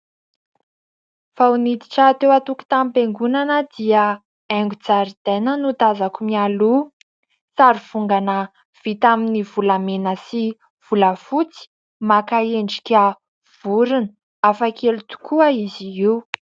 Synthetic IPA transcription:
fawnid̪iʈ͡ʂaːt̪ewat̪uku̥t̪amipeŋɡunanəd̪ia | ɛŋɡud͡zaɾid̪enənut̪azakumialu | t͡saɾivuŋɡanə | v̥it̪aminivulamenəsi | v̥uləfut͡si̥ | makaeɳɖ͡ʐi̥kʲa | v̥uɾinə | afakʰelut̪u̥kʰuəiziiw

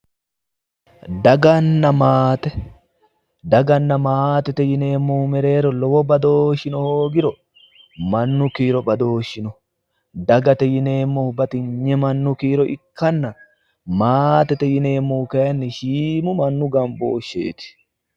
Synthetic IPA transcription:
d̪ɐɡɐnːɐmaːt̪ɛ | d̪ɐɡɐnːɐmaːt̪ɛt̪ɛjɪne̞ːmːumɛɾe̞ːɾɔlɔwɔbɐd̪oːʃːɪnɔhoːɡɪɾɔ | mɐnːʊkiːɾɔbɐd̪oːʃːɪnɔ | d̪ɐɡɐt̪ɛjɪne̞ːmːɔhʊbɐt̪ɪɲːɛmɐnːʊkiːɾɔʔɪ̰kːɐnːɐ | maːt̪ɛt̪ɛjɪne̞ːmːuːkɐjɐnːɪʃiːmʊmɐnːʊɡɐmbo̰ːʃːḛːt̪ɪ̥

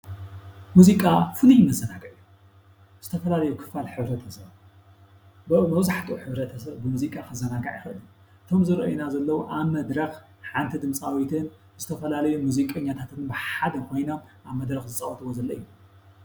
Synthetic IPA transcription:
muzikʼafɨlujɪmɐzːɐnaɡɐʔu | z̥ɨt̪ʰɐfɐlalɐjukʰɨ̥falħɨβɾɐt̪ʰɐsɐβ | bɨmɐwzaħt̪ʼuħɨβɾɐt̪ʰɐsɐβbɨmuzikʼakʰɨzɐnaɡa̰ʕḭxɨɨli | ʔɨt̪ʰo̞mzɨɾʔo̰jinazɐlːɐwuʔaβmɐd̪ɾɐx | ħant̪ʰid̪ɨmsʼawit̪ʰɨn | z̥ɨt̪ʰɐfɐlalɐjumuzikʼɐɲːat̪ʰat̪ʰɨnbɨħad̪ɐkʰo̞jnom | ʔaβmɐd̪ɾɐxzɨt͡sʼɐwʼɐt̪ʰɨwozɐlːɐɨjːu

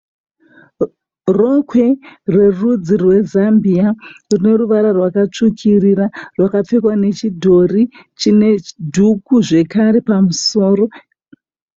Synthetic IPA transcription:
rokʰwe̞rwe̞rud͡zirwe̞zambiarine̞ruʋaɾarwakat͡ʂukʰiriɾarwakap͡fekwane̞t͡ʃidʱo̞rit͡ʃine̞dʱukuʐe̞kaɾe̞pamuso̞ːro̞

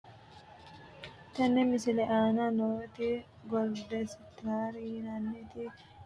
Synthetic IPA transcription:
t̪ɐnːɛmɪsɪlɛʔaːnɐnoːt̪ɪ | ɡɔld̪ɛsɪt̪aːɾɪnɐnːɛt̪ɪ

